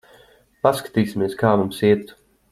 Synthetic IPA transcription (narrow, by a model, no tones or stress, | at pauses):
paskḁt̪iːsʲimiɛskaːmumsiɛt̪